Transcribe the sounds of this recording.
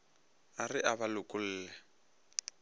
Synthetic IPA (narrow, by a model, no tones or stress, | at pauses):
arɪʔaβalʊkʼʊl̩ːlɛ